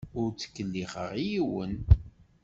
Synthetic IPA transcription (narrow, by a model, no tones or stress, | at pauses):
ʊɾt͡sːə̥kːəlːiχəʁijiwən